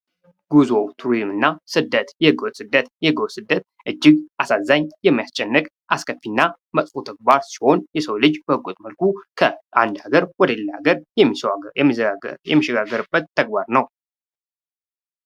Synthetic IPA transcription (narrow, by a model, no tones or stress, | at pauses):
ɡ̥uzo̞wt̪ʰuɾizmɨnːasɨd̪ːət̪jɛɡəwsɨd̪ːət̪jɛɡəwsɨd̪ːət̪̚ | ʔɨd͡ʒːɪɡʔasazːaɲjɛmːijast͡ʃʼɛnːɨkʼ | ʔaskʰəfinːa | məsʼfot̪ʰəɡ̚baɾsi̥ho̞njɛsəwlɨd͡ʒbəhɨkʼut̪ʼməlkʰukʰəand̪aɡəɾwɔd̪əlːa̰ɡəɾjɛmːimːjɛ̰mːiʃɛɡaɡːəɾɨbːət̪ʰːəɡ̚baɾnəw